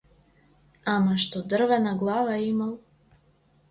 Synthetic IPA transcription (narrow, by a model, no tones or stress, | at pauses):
amaʃt̪od̪r̩ʋɛnaɡlˠaːʋaeimalˠ